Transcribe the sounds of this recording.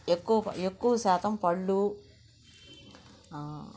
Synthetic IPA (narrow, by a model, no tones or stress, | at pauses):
ekːuʋɐekːuʋɐsaːt̪ʰɐmpɐɭːu